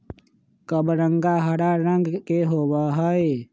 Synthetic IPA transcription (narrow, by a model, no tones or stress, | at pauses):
kəbɾəŋɡaɦəɽaɾə̃ŋɡkeɦowaɦəe